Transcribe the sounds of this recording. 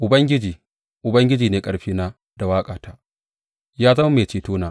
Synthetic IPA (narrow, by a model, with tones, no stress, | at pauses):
ʔʊ˨bɐ˦ŋɡʲɪ˦d͡ʒiː˨ | ʔʊ˨bɐ˦ŋɡʲɪ˦d͡ʒiː˨neː˨kʼɐ˨ɽɸiː˦naː˦ | da˨waː˦kʼaː˨tʰa˦ʔ | jaː˦zɐ˦ma˦meː˨t͡ʃiː˨toː˦naː˨ʔ